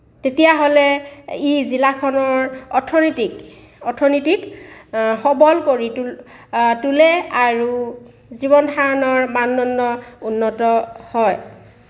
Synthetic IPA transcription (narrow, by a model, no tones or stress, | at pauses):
tetijaɦolɛizilakʰɔnɔɹɔtʰɔnitik | ɔtʰɔnitik | xɔbɔlkoɹi | tulɛaɹu | zibɔndʱaɹɔnɔɹmanːɔnːɔunːɔtɔhɔj